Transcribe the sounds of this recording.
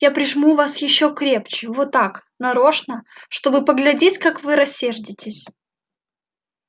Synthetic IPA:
japɾʲɪʐmuvasjɪɕːokɾʲe̞pt͡ɕɪvot̪ːaknɐɾo̞ʂnəʂt̪o̞bɨpəɡlʲɪdʲetʲkakvɨɾɐsʲːerdʲɪtʲɪsʲ

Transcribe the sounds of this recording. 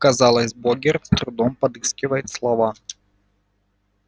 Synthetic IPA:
kɐzɑlˠɐsʲbɔɡʲɪɾt̪st̪ɾʊd̪ɔmpɐd̪ɨskʲɪʋɐjt̪ʲslˠɐʋɑ

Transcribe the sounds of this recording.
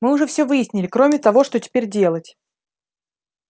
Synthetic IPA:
mɨʊʐɛfsʲɵvɨjɪsʲnʲɪlʲɪkɾo̞mʲɪt̪ɐvo̞ʂt̪otʲɪ̥pʲeɾʲdʲe̞lˠətʲ

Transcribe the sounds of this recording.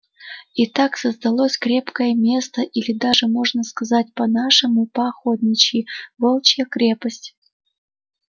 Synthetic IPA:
it̪aksəzd̪ɐlˠosʲkɾʲe̞pkəjəmʲe̞st̪əʔilʲɪd̪aʐɨmo̞ʐnəskɐzat̚ʲpɐnaʂɨmʊpɐxod̪ʲnʲɪt͡ɕɪjvolˠt͡ɕjəkɾʲe̞pəsʲtʲ

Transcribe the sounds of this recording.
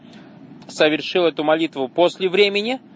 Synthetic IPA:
səvʲɪrʂɨlˠɛt̪ʊmɐlʲit̪vʊpo̞sʲlʲɪvɾʲemʲɪnʲɪ

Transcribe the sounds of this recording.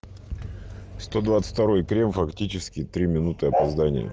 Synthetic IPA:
st̪o̞d̪vat̪sɨ̥tʲt̪ɐɾo̞jkɾʲe̞mfɐktʲit͡ɕɪskʲɪt̪ɾʲimʲɪnut̪ɨɐpɐzd̪anʲɪ̰jə̰

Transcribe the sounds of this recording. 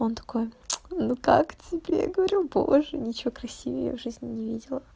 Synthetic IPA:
ont̪ɐ̥ko̞jnukaktʲɪbʲḛɡəvɐɾʲubo̞̰ʐɨnʲɪt͡ɕɪvokɾɐsʲivʲə̰jə̰vʐɨzʲnʲɪnʲɪvʲidʲɪlˠə

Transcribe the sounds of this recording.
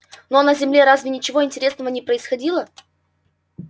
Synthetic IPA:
no̞nəzʲɪmlʲe̞ɾazvʲɪnʲɪt͡ɕɪvoɪnʲtʲɪɾʲe̞snəvənʲɪpɾəɪsxɐdʲilˠə

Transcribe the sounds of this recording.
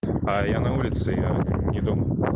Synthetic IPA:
ɐjanɐulʲit̪sɨjanʲɛd̪umɐ

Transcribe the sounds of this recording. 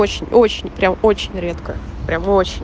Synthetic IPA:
ot͡ɕɪnʲo̞t͡ɕɪnʲpɾʲamo̞t͡ɕɪnʲɾʲet̪kəpɾʲamo̞t͡ɕɪnʲ

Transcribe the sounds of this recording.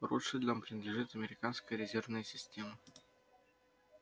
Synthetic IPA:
ɾṵʂɨdʲɪlʲəmpɾʲɪnəd̪lʲɪʐɨt̪ɐmʲɪɾʲɪkanskəjəɾʲɪzʲe̞rvnəjəsʲɪsʲtʲemə

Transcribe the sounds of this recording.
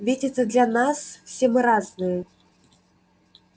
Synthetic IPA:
vʲedʲit̪sːɐd̪lʲanasfsʲemɨɾaznɨjɛ

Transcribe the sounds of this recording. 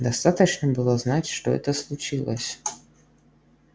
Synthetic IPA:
d̪ɐst̪at̪ət͡ɕnəbɨlˠoznatʲʂt̪o̰ɛ̰t̪əslˠut͡ɕilˠə̰sʲ

